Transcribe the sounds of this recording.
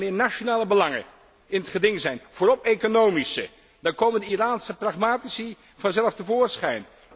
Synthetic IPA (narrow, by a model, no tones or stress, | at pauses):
mɪːɹnaʃonaːləbəlɑŋə̰ | ɪnətχədɪŋzɛjnv̥oːɾɔpejkonowmisə | daːɹkowməndəiraːnsəprɑχmaːtisi | v̥ɑnzɛlˠəftəvʊːɹsχɛjn